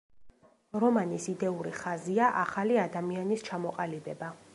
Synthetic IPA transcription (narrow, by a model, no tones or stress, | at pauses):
ɾɔmanisid̪ɛuɾiχaziaʔaχaliad̪amianist͡ʃʰamɔqʼalibɛba